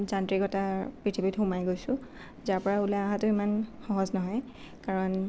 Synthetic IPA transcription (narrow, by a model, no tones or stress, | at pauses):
zantɹikɔtapɹitʰibitxʊmajɡojsʊ̃ | zaɹpɔɹaulaaɦãtʊimanxɔɦɔznɔɦɔj | kaɹɔn